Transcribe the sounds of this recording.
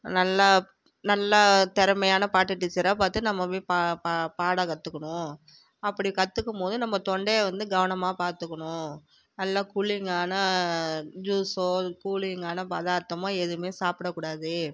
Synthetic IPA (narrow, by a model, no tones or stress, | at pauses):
nɐlːɐ | nɐlːɐt̪ɛɾɐmɐjaːnɐpaːʈːɯʈːit͡ʃːɐɾaːpaːɾt̪ːɯnɐmːɐpepapapaːɽɐkɐt̪ːɯkːɐɳʊ̃ | ɐpːɐɽikɐt̪ːɯkːɯmpoːðɯnɐmːɐt̪ɔɳɖeːʋɐnd̪ɯɡɐʋɐnɐmaːpaːɾt̪ɯkːɐɳʊ̃ | nɐlːakuɭɪŋɡaːnɐ | d͡ʒuːsoːkuːɭɪŋɡaːnɐpɐðaːɾt̪ːɐmõːɛðɯmeːsaːpɪɽɐkːʊːɽaːðɯ